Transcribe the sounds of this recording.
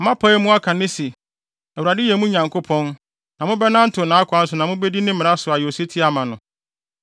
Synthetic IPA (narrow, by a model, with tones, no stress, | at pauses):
mã˦pʰa˦mʊ̃˦a˦kʰã˨nɪ̃˦si˨ | ɛ˨ɾa˨dɪ˦jɛ˨mũ˦ɲã˨ŋkʰo˦pʰɔ̃˦n | nã˨mʊ̃˦bɛ˦nã˦n̩˦tʰʊ˨nã˨˦a˦kʰʷã˦n̩˦sʊ˨nã˨mʊ̃˦bɛ˦di˦nɪ̃˦mɪ̃˨ɾa˦sʊ˨a˨jɪ˨o˨se˦tʰi˦a˨mã˨nʊ̃˨